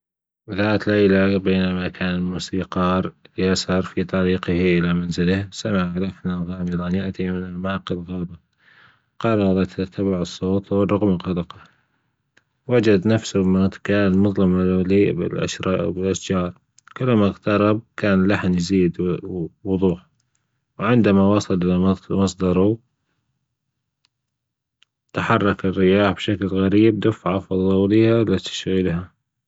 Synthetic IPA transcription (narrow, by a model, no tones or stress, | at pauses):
ðaːt̪lajlabeːnamakʰaːnɪlmuːsiːqɑːɾˤjasɑɾˤfit̪ˤɑɾiːqɪhʔɪlamanzɪlahsamɪʕlafnalɣaːmɪlˤanjaʔt̪imɪnɪlmaːqɪlɣɑːba | qɑɾˤːɑɾˤɑt̪ʰːat̪ʰːabaʕɨsˤːoːt̪wˤɑɣmɣɑlɑqɑ | wad͡ʒad̪nafsʊmat̪kaːnmʊðˤlɪmliːbɪ̰lʔa̰ʃɾɑ̰ʔbɪlʔaʃd͡ʒɑːɾˤ | kʊlːmaɣt̪ɑɾˤɑb̚kaːnɪlːaħnjziːd̪wʊðˤuːħ | wʕɪnd̪amawɑsˤɑlʔɪlaɑmɑsˤd̪ɑɾˤu | t̪aħɑrˤːɑkɪrːɪjaːħbʃaklɣaɾiːb̚d̪afʕafɑðˤɑwliaɪlːat̪ḁʃɣilha